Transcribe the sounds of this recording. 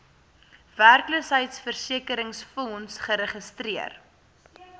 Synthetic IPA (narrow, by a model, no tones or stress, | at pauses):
værkləsɦəjtsfərsiəkəɾəŋsfɔnsχəɾəχəstriər